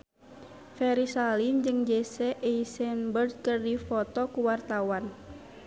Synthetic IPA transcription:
fɛɾisalimd͡ʒɨŋd͡ʒɛsɛʔɛisɛnbərd̪̚kərdifɔt̪ɔkuwart̪awan

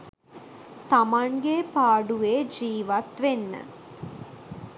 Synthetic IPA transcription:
t̪amaŋɡepaːɖuʋeːd͡ʒiːʋɐt̪ʋenːə̰

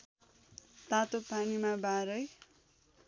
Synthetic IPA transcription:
t̪at̪opanimabaɾʌj

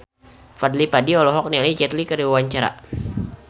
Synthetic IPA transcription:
fad̪lipadiɔlɔɦɔk̚nialid͡ʒɛt̪likəɾiwawaɲt͡ʃaɾa̰

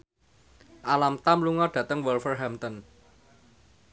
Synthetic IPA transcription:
ʔalamt̪amluŋɔɖ̥ä̤t̪əŋwɔlfərɦamt̪ɔn

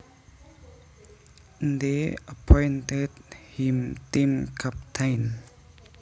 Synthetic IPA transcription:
nd̪eəpʰɔ̃jntedhĩmtĩmkʰap̚tʰãjn

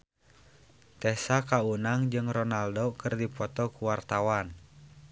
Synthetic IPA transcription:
t̪ɛsakaunaŋd͡ʒɨŋrɔnaldɔkɨrdipɔt̪ɔkuwart̪awan

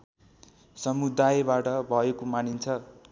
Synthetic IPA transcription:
sʌmud̪ajbaʈʌbʱʌekomanint͡sʰʌ

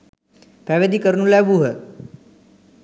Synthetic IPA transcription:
pɛʋed̪ikəɾnũlɛʋuɦə

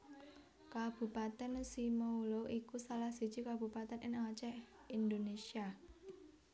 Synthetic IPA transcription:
kab̥ṳpat̪ɛnsimauloʔikusalahsi̤̥t͡ʃikab̥ṳpat̪ɛnʔɪnat͡ʃɛ | ind̪onesia

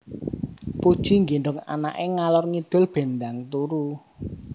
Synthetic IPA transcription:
pud̥ʒ̥i̤ŋɡiɳɖʊŋa̰na̰ʔeŋalɔrŋid̪̥ʊ̤lb̥e̤nd̪aŋt̪uɾu

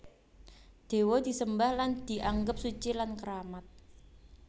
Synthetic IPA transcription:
d̪̥e̤wɔd̪̥i̤səmbahland̪̥i̤ʔaŋɡəp̚sut͡ʃilankəɾamat̪̚

